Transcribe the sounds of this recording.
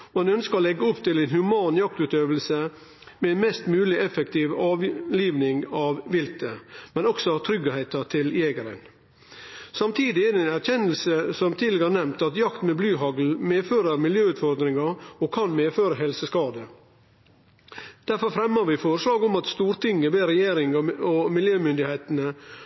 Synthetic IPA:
ɑnœnskəɾɔlɛɡːəɔpt̪ʰɪlæɪnhʉmɑːnjɑk̚t̪ʉːt̪øːʋəlsə | mɛɛnmɛst̪mʉːlɪʔɛfɛkt̪ʰiːʋɑːʋliːʋnɪŋɑʋʋɪlt̪ʰəmɛnɔksɔɑʋt̪ʰɾʏɡəhæɪt̪ɑt̪ʰɪljeːɡəɾə̰n | sɑmt̪ʰiːd̪ɪɛd̪ɛɛnæɾçɛnəl̩səsɔmt̪ʰiːd̪ɛɡəænɛmt̪ɑt̪jɑkt̪mɛblʉːɦɑɡl̩meːføːɾəɾmɪljøːʉːt̪fɔɾd̪ɾɪŋɑɔkʰɑnmeːføːɾəɦɛlsəskɑːd̪ə | d̪̥æɾfɔɾfɾɛmːəɾʋɪfoːɾʂlɑːɡɔmɑt̪st̪uːɾt̪ʰɪŋːəʋeːɾɛjeːɾɪŋɔmɪljøːmʏnd̪ɪheɪt̪nə

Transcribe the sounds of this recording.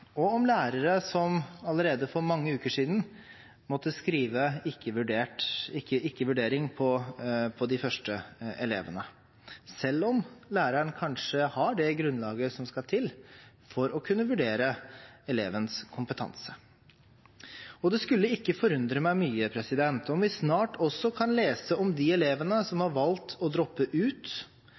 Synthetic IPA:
ɔɔmlæːɾəɾəsɔmɑləɾeːd̪əfɔɾmɑŋːəʉːkəʂiːd̪n̩ | mɔt̪ːəskɾiːʋəɪkːəʋʉɖeːʈɪkːəɪkːəʋʉɖeːɾɪŋpʰɔpʰɔd̪ɪfœʂʈəɛleːʋənə | sɛlːɔmlæːɾəəɳkʰɑnʂəhɑɖɛɡɾʉnlɑːɡəsɔmskɑt̪ʰɪl | fɔɾɔkʰʉnːəʋʉɖeːɾəɛleːʋənskʰʊmpət̪ʰɑ̰nsə | ɔd̪ɛskʉlːəɪkːəfɔɾʉnd̪ɾəmæɪmyːəpʰɾɛsɪd̪ɛnt̪ɔmʋɪsnɑːʈʰɔsːɔkʰɑnleːsəɔmd̪ɪɛleːʋənəsɔmhɑɾʋɑlt̪ʰɔd̪ɾɔpːəʔʉːt̪

